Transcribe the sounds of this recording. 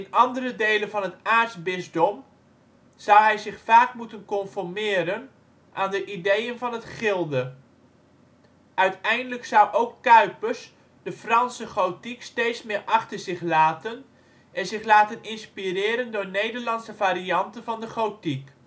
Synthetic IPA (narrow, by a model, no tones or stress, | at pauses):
ɪnɑndərədejlənvɑnɦətaːɹtzbɪzdɔm | z̥ʌwɦɛjzɪχfaːkmutənkɔnfɔɹmɪːɾən | ʔaːndəʔidejənvɑnɦətχɪlˠdə | ʔœɥtɛjndələksʌwʔowkːœɥpəɹs | d̥əfrɑnsəχowtikstejtsmɪːɹʔɑχtəɹzɪχlaːtən | ɛnzɪχlaːtənɪnspirɪːɾəndʊːɹnejdəɹlɑnsəvaːɾiɑntəvɑndəχowtik